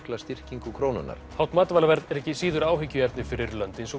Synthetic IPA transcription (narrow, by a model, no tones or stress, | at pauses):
klast̪ir̥ciŋkʏkʰɾoːwnʏ̰nːa̰ɾ̥hawt̪maːt̪vaːlavɛɾt̪ɛɾɛhcɪsiːðʏɾaːwɦɪcːʏɛpt̪nɪfɪɾɪɾlœnt̪ensɔ